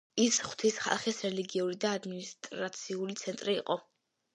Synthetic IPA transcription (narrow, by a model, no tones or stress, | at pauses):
isχw̥t̪ʰisχa̰lˠχisɾɛliɡiuɾid̪aːd̪minist̪ʼɾat̪sʰiulit̪sʰɛnt̪ʼɾḭːqʼɔ